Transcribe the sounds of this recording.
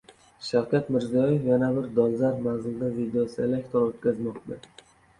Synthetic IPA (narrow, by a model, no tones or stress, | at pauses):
ʃawkʲat̪mɪɾzijɒjefjanabɪɾd̪ɒlzaɾmanzɪld̪avid̪eosɪelek̚ʲt̪ʰoɾot̪̚kʲʰazmɒqd̪ɪ